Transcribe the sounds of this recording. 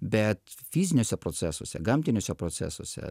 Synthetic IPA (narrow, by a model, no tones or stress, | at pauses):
bʲɛt̪fʲiːzʲɪnʲoːsʲɛpɾoːt̪sʲæːsuɔsʲɛ̰ɡɐmʲt̪ʲɪnʲoːsʲɛpɾoːt̪ʲæ̰ːsoɔsʲɛ̰